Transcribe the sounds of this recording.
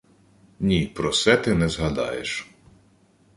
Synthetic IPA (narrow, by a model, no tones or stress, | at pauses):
nʲipɾɔsɛt̪ɪnɛzɦɐd̪ɑ̰jḛʃ